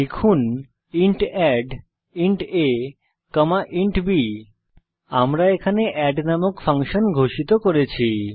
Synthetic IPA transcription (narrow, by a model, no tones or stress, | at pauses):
ekʰun | iɳʈɛɖ | iɳʈe | kəmaʔiɳʈbi | amɾaekʰaneʔɛɖnamokfaŋʃonɡʱoʃit̪okoɾet͡ɕʰi